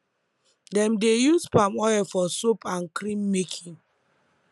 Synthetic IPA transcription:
dɛ̃mdejuspamɔɛfɔsopãnkɾĩmːekʰĩŋ

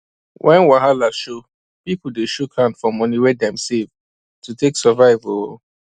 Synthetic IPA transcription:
wʔɛ̃nwaɦalaʃo | pip̩deʃukʰhãndfɔ̃mɔ̃niwedɛ̃msev | tʰuteksɔvaɪvo

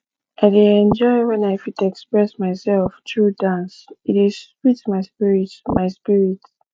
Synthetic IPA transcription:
ʔaɪdeɛ̃nd͡ʒɔɪwɛ̃naɪfitɛkspɹɛsmaɪsɛlftʰɹudãnsitiz̥pitmaɪspiɹitmaɪspiɹit

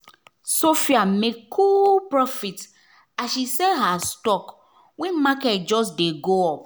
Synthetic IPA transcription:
sofiamekkʰːulpɹɔfit | aʃisɛɦastɔk | wɛ̃nmakɛt̚d͡ʒɔs̬deɡoɔp

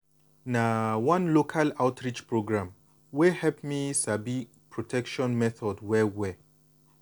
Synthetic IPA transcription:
nawãnlokʰalaʊtɹit͡ʃpɹoɡɹãm | wehɛlpmisabi | pʰɹɔtʰɛkʃɔ̃nmɛθɔdwɛwɛ

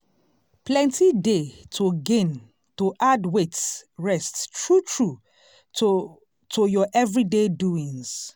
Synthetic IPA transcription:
plɛ̃ntʰidetʰoɡẽn | toʔadwetsɹɛsttɹutʰɹu | tʰojɔʔɛvɹideduĩŋs

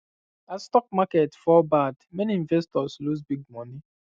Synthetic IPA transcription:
astɔk̚maketfɔbadmeniĩɱvɛstɔsluzbiɡ̚mɔni

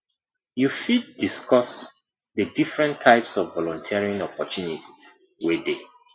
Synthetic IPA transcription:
jufid̚diskɔs | ðədifɹɛ̃ntʰaɪpsɔvːɔlɔ̃ntʰiɹiãnɔpɔtuniti̥z̥ | wede

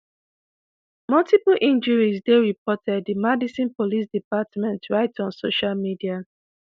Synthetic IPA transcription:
mɔltiplʔĩnd͡ʒəɹisdeɹipɔtɛddimɛdisĩnpolis̬dipatmɛ̃ntɹaɪtɔ̃nsoʃalmidia

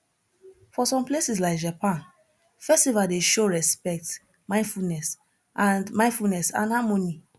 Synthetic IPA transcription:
fɔsɔ̃mplesislaɪkd͡ʒapãn | fɛstivadeʃoɹɛspɛk̚t | mãɪ̃nfulnɛs | ʔãnmãɪ̃nfulnɛsã̰nhamoni

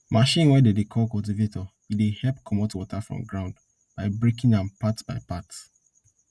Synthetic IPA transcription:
maʃĩnwɛdedekʰɔlkult̬ivetɔ | idehɛlpkʰɔmɔtwɔtʰafɹɔ̰̃mɡɹãʊ̃nd | b̥aɪbɹekĩŋãnpatb̥aɪpats

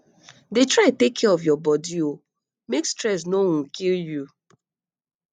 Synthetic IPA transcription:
detɹaɪtekʰːɛɔfjɔbɔdio | mekstɹɛs̬noɔ̃nkilju

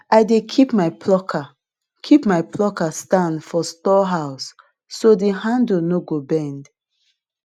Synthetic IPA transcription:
aɪdekʰipmaɪpʰlɔkʰa | kʰipmaɪpʰlɔkastãndfɔstɔɦaʊsː | odeɦãndnoɡobɛ̃nd

